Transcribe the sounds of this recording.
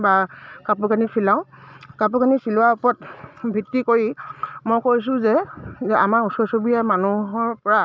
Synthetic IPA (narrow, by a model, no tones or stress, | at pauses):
bakapukanipʰilaʊ̃kapʊkanisilʊwaupɔtbʱitːikoɹimojkojs̬ʊ̃zɛɛʔa̰maɹusɔɹsobijamanuɦɔɹpɔɹa